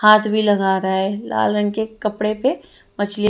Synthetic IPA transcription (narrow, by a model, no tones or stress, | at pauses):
haːt̪ʰbʱilɐɡaːɾaɦɛːla̰ːlɾə̃nkekɐpɽepe | mət͡ʃli